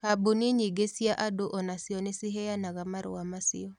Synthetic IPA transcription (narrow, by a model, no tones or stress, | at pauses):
habuniɲiɡesjaʔadoʔɔnasiɔnesiɦɛanaɣamaɾo̰amasɪ̰ɔ